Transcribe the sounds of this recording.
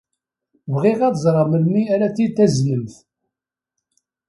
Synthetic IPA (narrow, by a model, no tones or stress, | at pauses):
vʁɪʁæðzˤɾˤɑməlmiæɾæt͡sːit̪ːæznəmθ